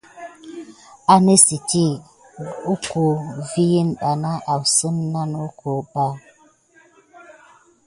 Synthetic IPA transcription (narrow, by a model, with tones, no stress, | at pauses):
a˨nə˦si˨ti˦˨ | u˦ku˨vi˦ji˦nɗa˨na˦ʔa˨wsə˦mna˦nu˦ko˨ba˦˨